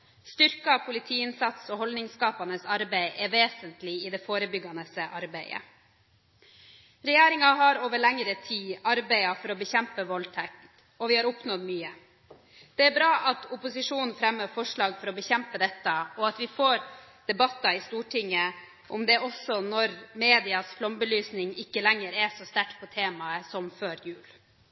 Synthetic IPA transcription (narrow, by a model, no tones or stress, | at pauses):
st̪ʏɾkɑpʰʊlɪt̪ʰiːɪnsɑt̪sɔhɔld̪nɪŋskɑːpɑnəsɑɾbæɪʔɛɾʋeːsənt̪lɪɪd̪ɛfoːɾəbʏɡɑnəsəʔɑɾbæɪə̰ | ɾɛjeːɾɪŋɑɦɑɾoːʋəɭɛŋɾət̪ʰiːɑɾbæɪɑfɔɾɔbəçɛmpəʋɔlt̪ʰɛkt̪ | ɔʋɪhɑɾʊpnɔd̪myːə | d̪̥ɛæɾbɾɑːʔɑt̪ʊpʊsɪʂuːnn̩fɾɛmːəfɔʂɭɑːɡfɔɾɔbəçɛmpəd̪ɛt̪ːɑɔɑt̪ʋɪfoːɾd̪̥ɛbɑt̪ːɑɪst̪uːʈʰɪŋːə | ʔɔmd̪ɛʔɔsɔnɔɾmeːd̪ɪɑsflɔmbəlyːsnɪŋɪkːəlɛŋəɾɛsɔst̪æʈpʰɔt̪ʰeːmɑəsɔmføːɾjʉːl